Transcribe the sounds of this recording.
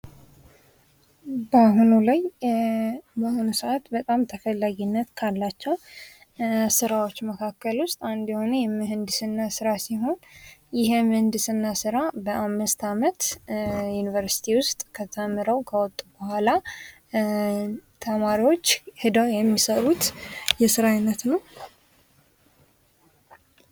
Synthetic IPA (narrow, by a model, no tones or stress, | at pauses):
bəɦunulaj | bəhunusəʔat̪bət̪ʼamt̪ʰəfəlːaɡinːət̪kʰalːat͡ʃːɛw | sɨɾawot͡ʃːməkʰakːəlwʊst̪ʼand̪jɛhonejɛmɨhɨnd̪ɨsɨnːasɨɾasiɦo̞njɪhɛmhɨnd̪ɨsɨnːasɨɾabəʔamːɨst̪ʰamət̪junivəɾsi̥t̪ʰiwʊst̪ʼkʰət̪ʰəmːɨɾəwkʰəwɔt̪ʼːubəhʷala | t̪ʰəmaɾiwo̞t͡ʃːhɨd̪əwjɛmːisəɾut̪jɛsɨɾajɨnːət̪nəw